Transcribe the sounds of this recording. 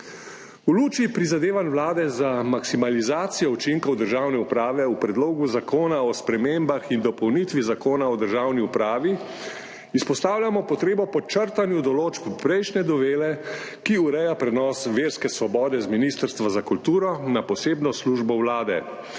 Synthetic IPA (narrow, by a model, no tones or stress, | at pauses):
uluːt͡ʃipɾizad̪eːʋanwlaːd̪ɛzamaksimalizaːt̪sijɔut͡ʃiŋkɔwd̪əɾʒaːwnɛupɾaːʋɛupɾɛd̪loːɡuzakoːnaɔspɾɛmembaxind̪ɔpɔwnit̪ʋizakoːnaɔd̪əɾʒaːwniupɾaːʋi | ispɔst̪aːwlʲjamɔpɔt̪ɾeːbɔpɔt͡ʃəɾt̪anjud̪ɔloːt͡ʃppɾɛjʃnɛd̪ɔʋeːlɛ | kiuɾɛjapɾɛnɔːsʋeːɾskɛsʋɔbɔːd̪ɛzminist̪əɾst̪ʋazakult̪uːɾɔnapɔseːbnɔsluːʒbɔwlaːd̪ɛ̰